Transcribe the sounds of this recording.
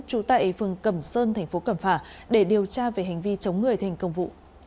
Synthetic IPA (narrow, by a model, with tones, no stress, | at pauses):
t͡ɕu˨˦t̪a̰ː˧˨ʔfɨ˨˩əŋkə˧˩msəː˧nt̪ʰɛ˨˩jŋ̟fo˨˦kə˧˩mfaː˧˩ɗe˧˩ɗi˨˩əwt͡ɕaː˧ve˨˩ɦa˨˩jŋ̟vi˧t͡ɕə˨˦wŋ͡mŋɨ˨˩əjt̪ʰɛ˧˩jŋ̟kə˧wŋ͡mvṵ˧˨ʔ